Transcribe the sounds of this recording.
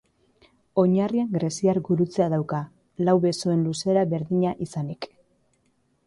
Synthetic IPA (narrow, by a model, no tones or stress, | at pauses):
o̞ɲarieŋɡɾe̞siaɾɡuɾut͡se̞aðawka | lawβe̞soe̞nluse̞ɾaβe̞ɾðiɲaʔisanik